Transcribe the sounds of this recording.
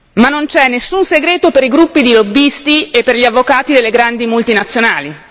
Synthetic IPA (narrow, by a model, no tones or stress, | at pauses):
manːont͡ʃɛnːesːunseɡɾeːt̪opeɾiɡɾupːid̪ilobːist̪iepːerʎiavːokaːt̪id̪elːeɡɾand̪imult̪inat̪sːjonaːli